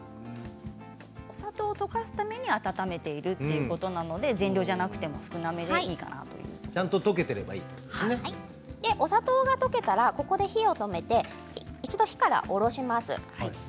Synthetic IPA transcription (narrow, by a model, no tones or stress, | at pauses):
oosat̪o̞ːt̪o̞kasɨ̥t̪ame̞ɲ̟iat̪at̪ame̞t̪e̞iɾɯ̟t̪ːe̞jɯ̟ko̞t̪o̞nano̞d̪e̞zẽ̞nʲɾʲo̞ːʑanakɯ̟̥t̪e̞mo̞sɨ̥kɯ̟name̞d̪eiiːka̰na̰t̪o̞̰jɯ̟ːt͡ɕãnt̪ot̪o̞k̬e̞t̪e̞ɾe̞ba̰ḭːt̪od̪̥e̥sneai | d̪̥e̞ʔo̞sat̪oːɡat̪o̞ke̞t̪aɾako̞ko̞d̪e̞çio̞t̪o̞me̞t̪e̞ | iit͡ɕid̪o̞çi̥kaɾa̰ʔo̞ɾo̞ɕimasɨ̰hai